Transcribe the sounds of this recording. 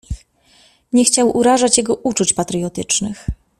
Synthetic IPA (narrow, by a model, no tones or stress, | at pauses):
ɲɛxt͡ɕawʔuɾaʐat͡ɕjɛɡɔʔut͡ʂut͡ɕpat̪ɾɘjɔt̪ɘt͡ʂnɘx